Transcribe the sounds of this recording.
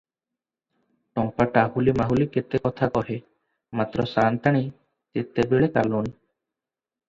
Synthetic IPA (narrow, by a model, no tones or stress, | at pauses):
ʈɔŋpaʈahulimaɦuliket̪ekɔt̪ʰakɔɦe | mat̪ɾɔsant̪aɽ̃i | t̪et̪ebeɭeka̰lun